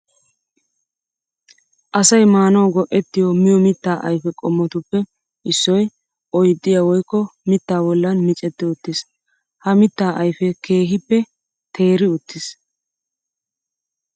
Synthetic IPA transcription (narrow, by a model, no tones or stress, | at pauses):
ʔɐsɐjmaːnɐwɡɔʔɛt̪ːɪjɔmɪjɔmɪt̪ːaːʔɐ̰jfɛkʼɔmːɔt̪ʊpːɛ | ʔɪsːɔj | ʔɔjd̪ʼːɪjawɔjkːɔmɪt̪ːaːbɔlːɐnmɪt͡ʃʼɛt̪ːɪʊt̪ːɪs | hɐmɪt̪ːaːʔɐjfɛkʰe̞ːɦɪpːɛ | t̪ʰe̞ːɾɪʊt̪ːɪs